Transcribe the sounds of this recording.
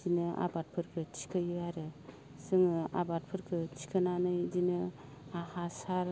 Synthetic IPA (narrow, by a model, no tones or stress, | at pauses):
d͡ʒinɯʔa̰bat̚pʰɯɾkʰɯtʰi̥kʰɯjɯaɾɯ | sɯŋɯa̰bat̚pʰɯɾkʰɯtʰi̥kʰɯnanɯjzinɯ | aɦasaɾ